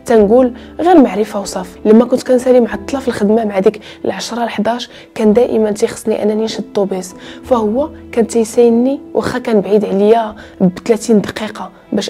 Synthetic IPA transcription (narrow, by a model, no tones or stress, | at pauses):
t̪ænɡul | ɣiɾmaʕɾəfawsˤɑflimækʊnt̪kænsælimʕat̪ˤːlɑfəlxəd̪mamaʕad̪ik | ə̰lʕaʃɾˤɑlħd̪ɑʃ | kænd̪æʔə̰mənt̪ixə̥sˤːniʔæ̰nːæninʃəd̪̚t̪ˤːubisfæhʊwːækænt̪jsæjənːiwʔæxækænbʕid̪ʕljæ | bt̪læt̪ind̪ɑqiqɑ | bæʃ